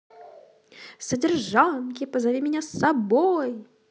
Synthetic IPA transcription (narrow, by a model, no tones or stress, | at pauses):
sədʲɪrʐankʲɪpəzavʲimʲɪnʲasɐboj